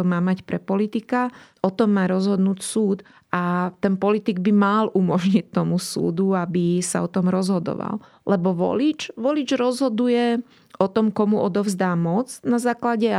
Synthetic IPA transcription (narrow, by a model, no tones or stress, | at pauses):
ɔmaːmacpɾɛpɔlit̪ikaʔɔt̪ɔmːaːɾɔzɦɔd̪nuːcsuːt̪ | ʔat̪ɛnpɔlit̪iɡbimalʔumɔʒɲict̪ːɔmusṵːd̪uabisa̰ɔt̪ɔmɾɔzɦɔd̪ɔ̰ʋa̰l | lɛbɔʋɔ̰lit͡ʃʋɔlid͡ʒɾɔzɦɔd̪ujɛ | ʔɔt̪ɔmkɔmuʔɔd̪ɔʊzd̪aːmɔt͡snazaːklaɟɛ